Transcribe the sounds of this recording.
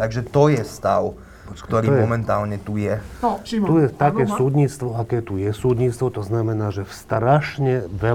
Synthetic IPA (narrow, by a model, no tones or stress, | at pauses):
t̪aɡʒɛt̪ɔjɛst̪aw | kt̪ɔɾiːmɔmɛnt̪aːlɲɛt̪ujɛt̪ujɛt̪akɛːsuːd̪ɲit͡st̪ʋɔakɛːt̪ujɛsuːd̪ɲit͡st̪ʋɔt̪ɔznamɛnaːʒɛfst̪ɾaʃɲɛʋɛ